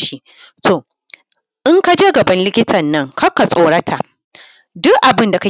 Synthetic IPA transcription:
ʃi˦ | tʰoː˨ | ʔɪ˦ŋka˦d͡ʒeː˦ɡɐ˨bɐ˦nlɪ˦kʲɪ˦tʰɐ˨nːɐ˦ŋkɐ˦ka˨sʼoː˨˦ɽɐ˦tʰa˨ʔ | dʊ˦kʔa˨bɪ˦nda˨ka˦

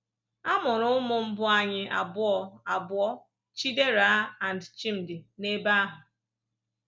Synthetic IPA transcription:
a˦mʊ˨ɾʊ˦mʊ˦m̩˦bʊ˦a˦ɲɪ˦ʔa̰˨bʊ˦ɔ˦a˨bʊ˦ɔ˦ | t͡ʃi˦de˦ɾa˨˦a˨n˨dt͡ʃi˦m̩˨dɪ˨ne˦ba˦a˦ɦʊ˨

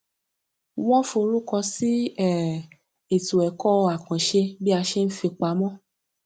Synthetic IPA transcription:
wɔ̃˦fo˧ɾu˦kɔ˧si˦ɛ˦˨ | e˨tu˨ɛ˨kɔ˦˧a˨kã˨ʃe˧bi˦a˧ʃe˦n̩˦fi˧k͡pa˧˦mɔ̃˦

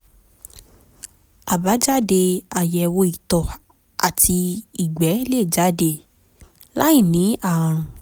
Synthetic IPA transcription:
a˨ba˨˦d͡ʒa˦˨de˧a˨jɛ˧˨wo˧i˨tɔ˨ | a˨ti˧i˨ɡ͡bɛ˨˦le˦˨d͡ʒa˦de˧˨ | la˦i˦˨nĩ˨˦a˦˨ɾ̃ũ˨

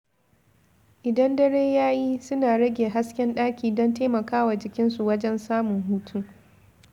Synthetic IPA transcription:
ʔɪ˨dɐ˦ndɐ˦ɽeː˦jaː˦ji˦sʊ˦naː˨ɽɐ˦ɡʲeː˨ɦa˦skʲɛ˦nɗaː˦kʲiː˨dɔ˦nteː˦mɐ˨kaː˦waː˨d͡ʒɪ˨kʲɪ˦nsu˨wɐ˦d͡ʒɛ˦nsaː˦mʊ˨ŋɦuː˦tʰuː˦

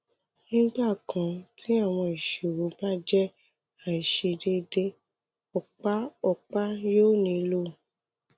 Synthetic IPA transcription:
nĩ˦ɡ͡ba˦˨kʰã˨tĩ˦a˦˨w̃ɔ̃˧i˨ʃe˨wo˨˦ba˦d͡ʒɛ˦ | a˨i˨ʃe˧de˧de˧ | ɔ˨k͡pa˦ɔ˨k͡pa˦joː˦nĩ˧lo˦

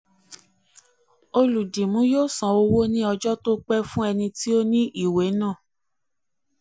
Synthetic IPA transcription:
o˧lu˨di˨mũ˨˦joː˦˨sã˨o˧wo˦nĩ˦ɔ˧d͡ʒɔ˦to˦k͡pɛ˦fũ˦ɛ˧nĩ˧ti˦o˦nĩ˦ʔi˦˨we˨˦nã˦˨

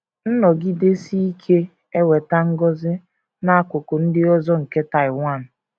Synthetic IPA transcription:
n̩˦nɔ˨ɡi˦de˦si˦i˦kʰe˦ | e˦we˨ta˦ŋ̩˦ɡɔ˦zɪ˦ | na˦a˦kʷʊ˨kʊ˨n̩˦dɪ˦ɔ˦zɔ˦ŋ̩˨ke˦ta˨ɪ˨wa˦˨n̩˨

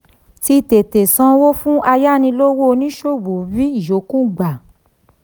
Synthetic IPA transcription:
ti˧te˨te˨sã˧wo˦fũ˦a˧ja˦nĩ˧lo˦wo˦˧nĩ˦ʃo˦˨bo˨vi˦i˨jo˨˦kũ˦˨ɡ͡ba˨

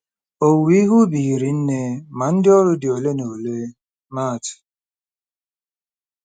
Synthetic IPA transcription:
o˨wi˦i˦ɦu˦bi˨ɾi˨n̩˦ne˦ma˨n̩˦dɪ˦ɔ˦ɾʊ˦dɪ˨o˨le˦no˨le˦ | ma˦˨t

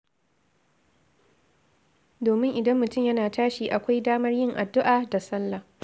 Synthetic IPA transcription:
doː˨mɪ˦ŋʔɪ˨dɐ˦mːʊ˨tʊ˦˨mjɐ˦naː˨taː˦ʃiː˨ʔa˨kʷa˦jdaː˦mɐ˦rjɪ˦ŋʔa˨dːʊ˦ʔaː˨da˨sɐ˦lːɐ˨

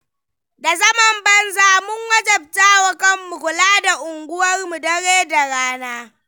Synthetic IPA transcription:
da˨zɐ˦mɐ˨mbɐ˦nzaː˨mʊ˦ŋwɐ˦d͡ʒɐ˨b̚taː˦wɐ˨kɐ˦mːu˨kʷʊ˨laː˦da˨ʔʊ˨ŋɡʷʊ˦wɐ˦rmu˨dɐ˦ɽeː˦da˨ɽaː˦naː˦

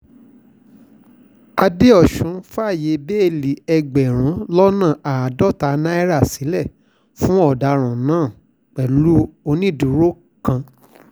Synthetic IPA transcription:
a˧de˦ɔ˦˨ʃũ˨˦fa˦˨je˨˦be˦e˨li˨ɛ˧ɡ͡bɛ˨ɾ̃ũ˨˦lɔ˦nãː˦˨a˨a˨dɔ˦ta˨˦nã˦ɛ˦ɾa˦˨si˨˦lɛ˦˨ | fũ˦ɔ˦˨da˨˦ɾ̃ã˨nãː˦˨ | k͡pɛ˨lu˦o˧nĩ˦˨du˨˦ɾo˦ | kã˧

